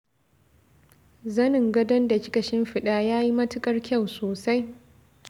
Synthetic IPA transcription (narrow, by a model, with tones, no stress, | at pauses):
zɐ˦nɪ˨ŋɡɐ˦dɐ˦nda˨t͡ʃʲɪ̥˦kɐ˨ʃɪ˦mɸɪ˨ɗaː˦jaː˦ji˦mɐ˦tɪ˦kʼɐ˦rkʲɐ˦˨wsoː˨sa˦j